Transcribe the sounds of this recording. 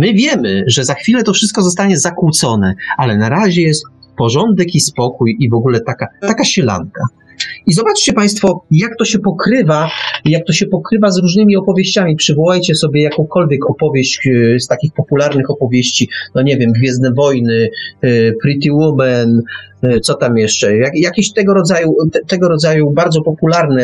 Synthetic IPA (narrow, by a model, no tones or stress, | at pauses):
mɘvʲjɛmɘʐɛzaxfʲilɛt̪ɔfʂɘst̪kɔzɔst̪aɲɛzakuwt̪sɔnɛalɛnaɾaʑɛjɛst̪pɔʐɔnd̪ɛkispɔkujivɔɡulɛt̪akat̪akaɕɛla̰ŋka | izɔbat͡ʂt͡ɕɛpaj̃st̪fɔjak̚t̪ɔɕɛpɔkɾɘvajak̚t̪ɔɕɛpɔkɾɘvazɾuʐnɘmʲiɔpɔvʲjeɕt͡ɕamʲipʂɘvɔwajt͡ɕɛsɔbʲjɛjakɔ̃w̃kʰɔlvʲjɛkɔpɔvʲjeɕt͡ɕst̪akʲixpɔpulaɾnɘxɔpɔvʲjeɕt͡ɕinɔɲɛvʲjɛmɡvʲjɛzd̪ɛvɔjnɘ | pɾit̪̬iwumɛn | t̪sɔt̪amjɛʂt͡ʂɛjajakʲeɕt̪ɛɡɔɾɔd̪zajut̪t̪ɛɡɔɾɔd̪zajubaɾd̪zɔpɔpulaɾnɛ